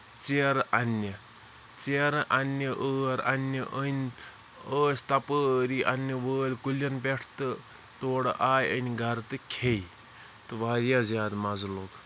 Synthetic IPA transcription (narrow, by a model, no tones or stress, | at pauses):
t͡seɾʔɐnːə | t͡seɾʔɐnʲːəʔəːɾɐnʲːɐʔənʲ | əːst̪ɐpəːɾiʔɐnʲːəʋəːlʲkulɐnbeʈʰt̪ɨ | t̪oːɽʔaːjənʲɡʱɐɾt̪ɨkʰej | t̪ɨʋaːɾjazjaːd̪mɐzloːk